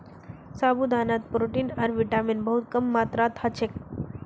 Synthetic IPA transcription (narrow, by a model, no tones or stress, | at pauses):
sabud̪anat̪̚pɾoʈiːnaɾʋiʈamiːnbəɦut̪̚kəmːat̪ɾat̪ʰat͡ɕʰek̚